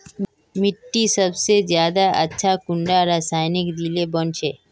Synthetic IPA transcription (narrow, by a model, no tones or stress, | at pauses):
mɪʈːisəbsezjaːd̪aʔɐtːʃʰakʊ̃ɳɖaɾaːsaːjnɪkd̪ilebɐnt͡ʃʰeː